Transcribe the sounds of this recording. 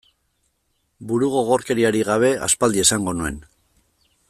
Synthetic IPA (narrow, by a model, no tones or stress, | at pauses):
buɾuɣ̞o̞ɣoɾke̞ɾiaɾiɣaβ̞e̞a̰spald̪ie̞saŋɡo̞nue̞̰n